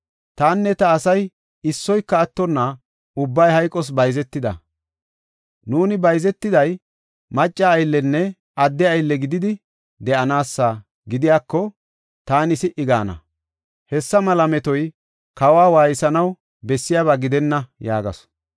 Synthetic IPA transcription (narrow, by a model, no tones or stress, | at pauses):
t̪aːnːɛt̪ɐːsɐj | ɪsːɔjkːɐːt̪ːɔnːa | ʊbːɐjhɐjkʼːɔs̬bɐjzɛt̪ːɪd̪ɐ̰ | nuːnɪbɐjzɛt̪ːɪd̪ɐj | mɐt͡ʃʼːɐːjlːɛnːɛ | ɐd̪ːɛɐjlːɛɡɪd̪ɪd̪ɪ | d̪ɛʔɐnaːsːa | ɡɪd̪ɪjaːkːɔ | t̪aːnɪsɪʔɪɡaːnɐ̰ | hɛsːɐmɐlɐmɛt̪ɔj | kɐwaːwaːjɪsɐnɐw | bɛsːɪjaːβaɡɪd̪ɛnːɐja̰ːɡɐ̰s